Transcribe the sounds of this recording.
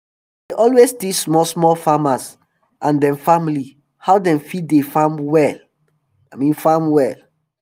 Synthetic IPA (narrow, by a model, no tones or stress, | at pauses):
deʔɔlwesdismɔlsmɔlfamas | ʔãndɛ̃mfamili | haʊdɛ̃mfitdefãmwɛl | amĩnfãmwɛl